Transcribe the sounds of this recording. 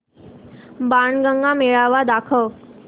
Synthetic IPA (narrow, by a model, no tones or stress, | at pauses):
baɳɡəŋɡãmeɭaʋad̪akʰəʋ